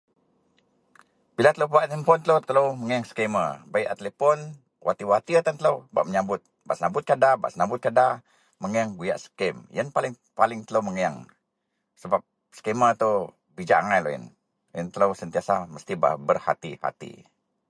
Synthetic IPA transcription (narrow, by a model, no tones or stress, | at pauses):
b̥ilat̪ələwpaʔt̪əmpɔnt̪ələt̪ələwməŋəjaŋsə̥keməbaiʔat̪əlepɔn | wʔa̰t̪iwat̪iət̪ant̪ələwba̰ʔməɲabʊt̪̚ | baʔsənabʊt̪̚kadabaʔsənabʊt̪̚kada | məŋəjaŋɡuja̰ʔsə̥kɛmjənpalɪŋ | palɪŋt̪ələwməŋəjaŋ | səbap̚ | sə̥kemət̪o | bid͡ʒaʔaŋajlo̰ḭn | jənt̪ələwsənt̪iasaməst̪iba̰bərha̰t̪ḭha̰t̪ḭ